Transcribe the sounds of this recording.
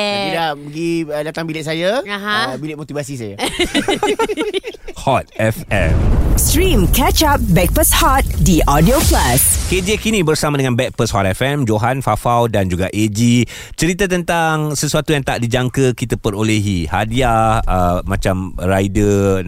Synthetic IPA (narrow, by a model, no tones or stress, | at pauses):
idaʔbəɡidat̪aŋbilɪʔ̚sajaaɦbilɪt̪̚mot̪ivasisaja | hɔt̪̚ɛfɛ̰mstɾĩmkɛt͡ʃap̚bɛk̚pəshɔt̪̚diʔɔdioplasked͡ʒekinĩbərsamadəŋanbɛk̚pəshɔt̪ɛfɛmd͡ʒoɦanfafawdand͡ʒuɡaʔed͡ʒi | t͡ʃəɾit̪at̪ənt̪aŋsəsuat̪ujaŋt̪aʔdid͡ʒaŋkəkit̪apəɾoleɦiha̰diahəmãt͡ʃamrajdə